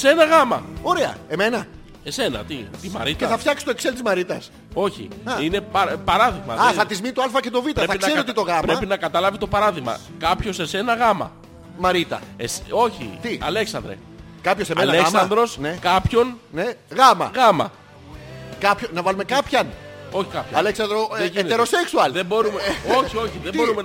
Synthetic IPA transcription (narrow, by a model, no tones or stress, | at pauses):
se̞nɐɣɐmɐ̰o̞ɾeɐ̰e̞me̞nɐ | ese̞nɐ̰t̪it̪imɐ̰ɾit̪eθɐft̪çɐksi̥st̪oekselt̪izmɐɾit̪ɐs | o̞çḭine̞pɐpɐɾɐðiɣmɐ̰ðɐθɐt̪izminit̪oɐlfɐce̞t̪ovit̪ɐɾeθɐisnɐe̞ɾiot̪it̪oɣɐmpɾe̞pinɐkɐt̪ɐlɐvit̪o̞pɐɾɐðiɣmɐ̰ | kɐpço̞se̞se̞nɐɣɐmɐ̰ | mɐɾit̪ɐ̰eso̞çḭt̪iɐ̰le̞ksɐnd̪ɾḛ | kɐpçosemelleksɐnd̪ɾo̞snekɐpço̞nneɣɐmɐ̰ɣɐmɐ̰ | kɐpçonɐvɐlume̞kɐpçɐno̞çi̥kɐpço̰ɐleksɐnd̪ɾoeʝenet̪eɾoseksuɐlðebo̞ɾumeoçioçiðembo̞ɾume